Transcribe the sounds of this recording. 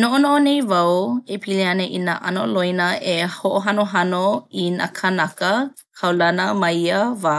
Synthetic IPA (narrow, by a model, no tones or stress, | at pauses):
noʔonoʔonejvɐwepʰileɐnəʔinaʔanoʔlojnəehoʔoɦanoɦanoina̰kʰənɐkə | kʰɐwlɐnəmɐiəva